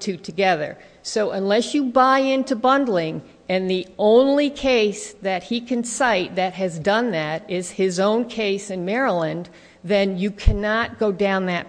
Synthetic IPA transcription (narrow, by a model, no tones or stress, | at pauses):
tʰʉtʰɨɡɛðə̰˞ | soʊʔə̃nlɛsjɨbaɪɪ̃ntʉbʌ̃ndˡl̩ˠɪ̃ŋ | ɨ̃nðiʔõʊ̃nlikʰeɪsðɨt̚hikʰɨ̃nsaɪt̪̚ðɨt̚ɦɨzdʌ̃nðɨɾɪz̥ɪzõʊ̃nkʰeɪsɨ̃nmɛɹəlˠɨ̃n | ðɨ̃njɨkʰænɑt̚ɡ̥oʊdãʊ̃nðɨt̚